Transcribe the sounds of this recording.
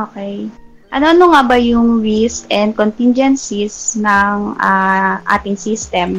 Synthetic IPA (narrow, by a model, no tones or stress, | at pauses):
ʔoːkɛj | ʔɐnoʔɐnoŋabɐjʊŋɹiskʔɛnd̪̚kont̪ind͡ʒɛnsisnɐŋaʔa̰ːt̪ɪŋsist̪ɛm